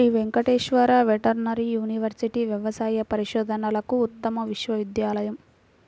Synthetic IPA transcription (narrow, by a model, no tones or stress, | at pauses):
iʋeŋkɐʈeːʃʋɐɾaːʋeʈɐɾnɐɾijuːniʋɐɾsiʈiʋjɛʋɐsaːjɐpɐɾiʃɔːd̪ʱɐnɐlɐkuːt̪ːɐmɐʋiʃʋɐʋid̪jaːlɐjɐm